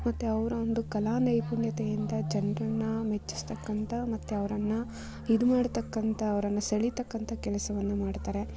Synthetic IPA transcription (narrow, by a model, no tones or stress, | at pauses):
mɐt̪ːeɐʋɐɾuond̪ukɐlaːnɐjpuɳjɐt̪ejind̪ɐd͡ʒɐnrɐnːɐmet͡ʃːi̥st̪ɐkːɐnt̪ʰɐmɐt̪ːeɐʋɐɾɐnːɐ | id̪umaːɽt̪ɐkːɐnt̪ʰɐːʋɐɾɐnːɐsɐɭit̪ɐkːɐnt̪ʰɐkɛlɐsɐʋɐnːumaːɖt̪aːɾe̞